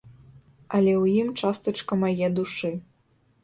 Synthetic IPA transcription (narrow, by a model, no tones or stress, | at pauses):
ɐlʲɛwjimt͡ʂast̪ɨt͡ʂkɐmajɛd̪uʂɨ